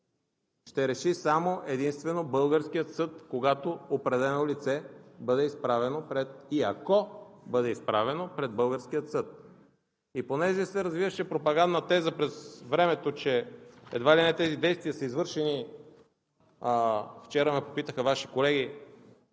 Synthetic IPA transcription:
ʃt̪ɛɾɛʃisamoʔɛd̪inst̪vɛnobɤlˠɡəɾskijət̪sɤt̪koɡat̪oopɾɛd̪ɛlɛnolit̪sɛbɤd̪ɛispɾavɛnopɾɛt̪̚iɐkɔbɤd̪ɛispɾavɛnopɾɛd̪̚bɤlˠɡəɾskijət̪sɤt̪̚ | iponɛʒɛsɛɾɐzvivəʃɛpɾopɐɡand̪nət̪ɛzəpɾɛzvɾɛmɛt̪ot͡ʃɛɛ̰d̪vailinɛt̪ɛzid̪ɛjst̪vʲijəsəizvɤɾʃɛni | ft͡ʃɛɾəmɛpopit̪əxəvaʃi̥kolɛɡʲi

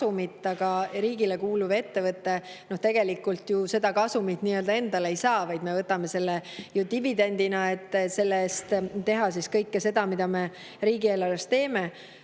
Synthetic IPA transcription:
umit̪ːˑɑɡ̥ɑɾiːɡile̞kuːluve̞t̪ːe̞vɤt̪ːe̞no̞ht̪e̞ɡ̥e̞likːˑult̪juse̞d̪ɑkɑsumit̪ːniːø̞ld̪ɑe̞nd̪̥ɑle̞jsɑːvɑjd̪me̞vɤt̪ːˑɑme̞se̞lːejut̪ivid̪e̞nd̪inɑe̞t̪ːˑse̞lːeest̪t̪e̞ɦɑs̬iskɤjkːese̞d̪̥ɑmid̪̥ɑme̞ | ɾiːɡ̥ie̞ːlɑɾest̪t̪e̞ːme̞

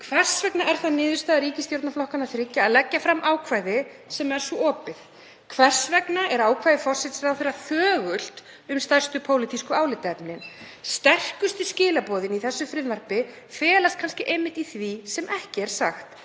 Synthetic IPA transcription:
kʰvɛr̥svɛknaʔɛɾ̥θaðnɪːðʏ̥st̪aːðaɾiːcɪst̪jowɾt̪naflɔhkanaðθɾɪcːaːðlɛcːafɾamːʔaːwkʰvaːjðɪ | sɛmɛɾ̥sɔɔːpɪð | kʰvɛr̥svɛknaʔɛɾaːwkʰvajðɪfɔr̥sɛt̪sɾawθɪɾaθœːɣʏl̥t̪ | ʏmst̪ar̥st̪ʏpʰoːwlit̪iskʏaːwlɪt̪ɛpnɪn | st̪ɛr̥kʏst̪ɪscɪːlapɔːðɪniθɛsːʏfɾɪðvɛr̥pɪ | fɛːlast̪̚kʰanscɪʔejmːɪht̪iθvisɛmʔɛhcɪɛɾ̥saxt̪

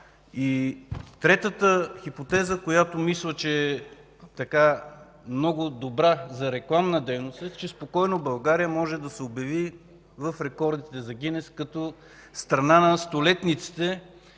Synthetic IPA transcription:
it̪ɾɛt̪ət̪əxipot̪ɛzəkojat̪omislˠət͡ʃɛː | t̪ɐka | mnɔɡʊd̪obɾazɐɾɛklˠamnɐd̪ɛjnost̪ɛt͡ʃɛspokɔjnobɐlˠɡaɾijəmɔʒɛd̪ɐsɛobjɐvi | vɐfɾɛkɔɾd̪it̪ɛzɐɡʲinɛskɐt̪ɔ | st̪ɾɐnanɐst̪olɛt̪nit̪si̥t̪ɛ

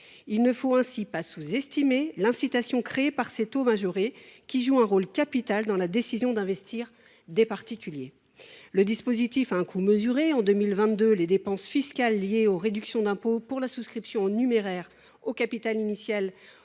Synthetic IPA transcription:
ilnəfoɛ̃sipasuzɛst̪imelɛ̃sit̪asjɔ̃kχeːpaʁset̪omaʒoʁekʲiʒuɛ̃ʁolkʲapit̪ald̪ɑ̃lad̪esizjɔ̃d̪ɛ̃vɛst̪ʰiʁ | d̪epaʁt̪ikʲylje | ləd̪ispozit̪ifaɛ̃kʰuməzyʁeɑ̃d̪ømilvɛ̃t̪̚d̪øled̪epɑ̃sfiskʲalːjeoʁed̪yksjɔ̃d̪ɛ̃popuʁlasuskχipsjɔ̃nymeʁɛʁ | okapit̪alinisjal

